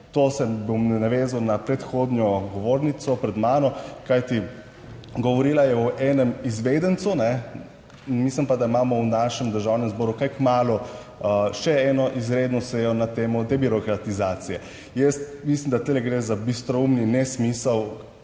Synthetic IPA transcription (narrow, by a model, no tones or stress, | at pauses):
t̪osɛbomɛnaʋezawnapɾɛt̪xoːd̪njɔɡɔʋoːɾnit̪sɔpɾɛd̪maːnɔkajt̪i | ɡɔʋɔɾiːlajɛɔʔɛːnɛmizʋed̪ənt̪sunɛ | mislimpad̪aimaːmɔwnaːʃɛmd̪əɾʒawnɛmzbɔːɾukajkmaːlɔ | əʃɛɛːnɔʔizɾeːd̪nɔsɛjɔnat̪eːmɔd̪ɛbiɾɔkɾat̪izaːt̪sijɛ | jɛst̪mislimd̪at̪elɛɡɾezabist̪ɾɔumninɛsmiːsəw